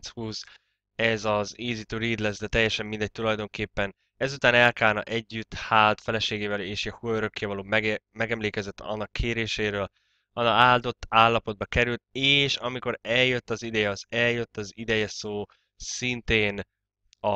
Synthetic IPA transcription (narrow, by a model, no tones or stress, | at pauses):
shuːz | ɛzɒzeːzit̪øːɾiːd̪lɛzd̪ɛt̪ɛjːɛʃɛmːind̪ɛc̚t̪ulɒjd̪o̞ŋkeːpːɛn | ɛzut̪aːnɛlkaːlnɒ̰ʔɛɟːyt̪haːlt̪fɛlɛʃeːɡeːvɛleːʃɛhuøɾø̞kːeːvɒloːmɛɡmɛɡɛmleːkɛzɛt̪ːʰɒ̰nːɒkʰːeːɾeːʃeːɾøːl | ɒnaːld̪o̞t̪ːaːlːɒpo̞d̪̚bɒkɛɾylt̪̚eːʃɒmiko̞ɾɛljøt̪ːɒzid̪ɛjɛɒzɛljøt̪ːɒzid̪ɛjɛsoː | sint̪eːn | ɒ